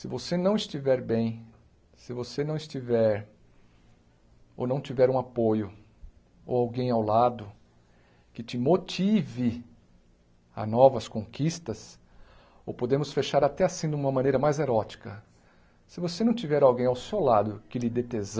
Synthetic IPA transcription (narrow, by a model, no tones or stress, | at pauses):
sɪvosenɐ̃w̃ist͡ʃivɛɾbẽj̃ | sɪvosenɐ̃w̃ist͡ʃivɛɾ | o̰wnɐ̃w̃t͡ʃivɛɾũapojʊ | o̰wawɡẽj̃awlad̪ʊ | kɪt͡ʃɪmot͡ʃivɪ | a̰nɔvɐskõŋkist̪ɐs | o̰wpod̪ẽmʊsfeʃaɾat̪ɛasĩd̪ɪũmɐmɐ̃nejɾɐmajzeɾɔt͡ʃi̥kɐ | sɪvosenɐ̃w̃t͡ʃivɛɾawɡẽj̃awsewlad̪ʊkɪlɪd̪et̪ez